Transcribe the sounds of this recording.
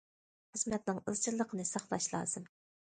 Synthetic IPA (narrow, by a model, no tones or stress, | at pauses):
χəzmɛt̪̚nɪŋəlt͡ʃʰilˠːəqʰənɨsɑχlˠɑʃlˠɑ̰ːz̥ɨm